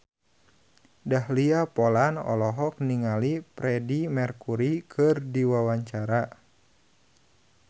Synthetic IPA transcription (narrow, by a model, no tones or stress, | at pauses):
dahliapɔlanɔ̰lɔɦɔk̚niŋalipɾɛdimɛrkuɾikʰɨrdiwawaɲt͡ʃaɾa